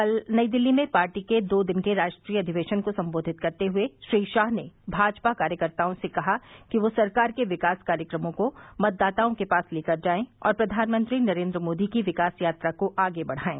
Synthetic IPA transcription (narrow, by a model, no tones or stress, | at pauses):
ɐlnɐid̪ɪlːimẽpaːɾʈiked̪oːd̪ɪnkeɾaːʃʈɾiːjəɐd̪ʱɪʋeːʃənkosɐ̃mboːd̪ʱɪt̪̚kɐɾt̪eɦʊeʃɾiːʃaːɦnebʱaːd͡ʒpakaːɾjəkɐɾt̪aːõsekɐɦakiʋosɐɾkaːɾkeʋɪkaːskaːɾjəkɾəmõkomɐt̪̚d̪aːt̪aːõkepaːsleːkɐɾd͡ʒaːẽɔ̰ːɾpɾɐd̪ʱaːnmə̃nt̪ɾinɐɾẽːnd̪ɾəmoːd̪ikiʋɪkaːsjaːt̪ɾakoʔaːɡebɐɽ̤aːḛ̃ː